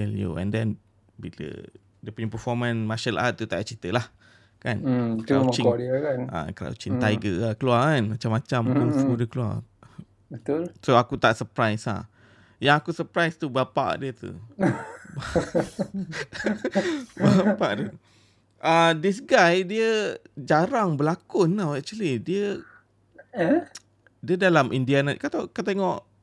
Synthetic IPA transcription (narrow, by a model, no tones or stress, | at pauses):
t̪ɛljṵɛ̰̃ndɛn | bilə̰ | diəpuɲəpəfɔmãnmaʃəlʔa̰t̪ːut̪aʔaʔt͡ʃit̪əlah | kankat͡ʃiɔdiəkana̰kɾa̰wt͡ʃiŋt̪ajɡəakəluakanmat͡ʃamːat͡ʃamkuŋfudəkəlua̰ | bət̪ulsoakut̪aʔsəpɾajsa̰ | jaŋakusəpɾajst̪ubapa̰ʔdiət̪ṵ | ba | bapaʔdə | ʔadis̬ɡajdiəd͡ʒaɾaŋbəlakʊnːawɛk̚t͡ʃulidiə | diədalamʔindianat̪kat̪akat̪eŋɔʔ